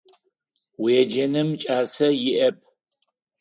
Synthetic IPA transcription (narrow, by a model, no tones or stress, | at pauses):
weːd͡ʒɐnɨmt͡ʃʼaːsɐjɪʔɐp̚ʼʰ